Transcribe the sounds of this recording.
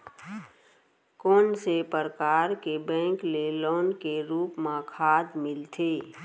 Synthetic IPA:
kɔːnsepəɾkaːɾkebɛ̃ːŋklelɔːnkeɾuːpmãkʰaːd̪mɪlt̪ʰeː

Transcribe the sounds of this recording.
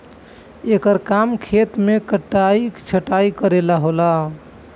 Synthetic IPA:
ekəɾkamkʰet̪mekəʈːaikt͡ʃʰəʈaikəɾelaɦola

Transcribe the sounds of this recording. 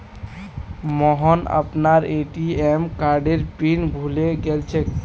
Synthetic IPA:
mɔɦɔnə̰pnaɾeʈiemkaɾɖeɾpinbʱuleɡelt͡ʃʰɛk

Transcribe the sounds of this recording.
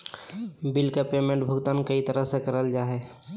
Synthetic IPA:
bɪlkapeːmẽɳʈbʱʊɡt̪aːnkəit̪əɾəɦsekəɾəld͡ʒaːɦɛ

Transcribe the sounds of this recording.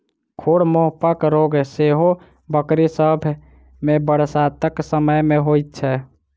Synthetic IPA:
kʰoɽmoɦpəkɾoɡseɦo | bəkɾisəbʱ | mebəɽ̤sat̪əksəməjmeɦojt̪̚t͡ʃʰɛ

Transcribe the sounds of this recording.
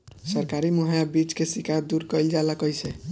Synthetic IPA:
sʌɾkaɾimuɦajabit͡ʃkesikʰad̪uɾkɔjld͡ʒalakɔjsʰe

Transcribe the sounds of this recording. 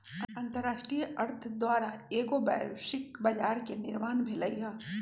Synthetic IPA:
ɐɐ̃nt̪əɾːaːʃʈɾijəʔɐɾt̪ʰd̪waːɾaeːɡoba̰ːʃɪkbɐd͡ʒaːɾkenɪɾmaːnbʱeləiɡaː

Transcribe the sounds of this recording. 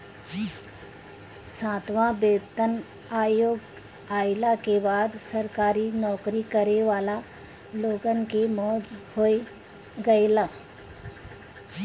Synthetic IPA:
sãːt̪ʋãbeːt̪ən | aːjoːɡ | aːɪlakebaːd̪səɾkaːɾinɔːkɾikəɾeʋaːla | loːɡənkemɔːd͡ʒhoe | ɡəelaː

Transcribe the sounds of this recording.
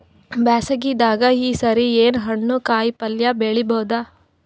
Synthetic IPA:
baːsɐɡid̪aːɡɐiːsɐɾieːnɦɐɳːukaːjpɐljɐbeːɭibɐːd̪ɐ

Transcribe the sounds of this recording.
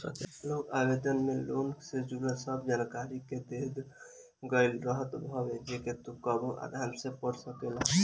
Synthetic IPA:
əkelokabed̪ənmelonsed͡ʒuɾəsəb̚d͡ʒankaɾiked̪ed̪ | ɡəɪlɾəɦət̪bʱɔbed͡ʒeket̪ukəboʔa̰ɾɦəmsepəɾsəkela

